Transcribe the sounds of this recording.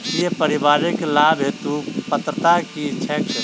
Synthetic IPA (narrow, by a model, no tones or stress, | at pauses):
jepəɾɪbaːɾɪklaːbɦet̪upət̪ɾət̪akit͡ʃʰɛʈ